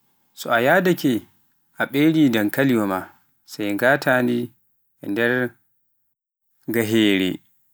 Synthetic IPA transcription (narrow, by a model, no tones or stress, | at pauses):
sɔajaːdakɛ | ʔaɓeɾiːdankaliwɔma | sajɡaːtaːndi | ɛndɛɾ | ɡaɦeːɾɛ̰